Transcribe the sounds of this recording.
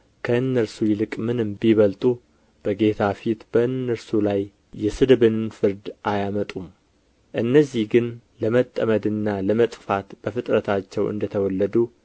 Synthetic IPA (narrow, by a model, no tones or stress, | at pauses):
kʰəɨnːəɾsujɪlɨkʼmɨnɨmbiβəlt̪ʼu | b̥əɡe̞t̪ʰafit̪b̥əɨnːəɾsulajː | ɛsɨd̪bɨnfɨɾd̪ʔajamət̪ʼum | ʔɨnːəzːihɡɨn | ləmət̪ʼːəməd̪ɨnːaləmət̪ʼfat̪b̥əfɨt̪ʼɾət̪ʰat͡ʃːɛwʔɨ̰nd̪ət̪ʰəwɔlːəd̪u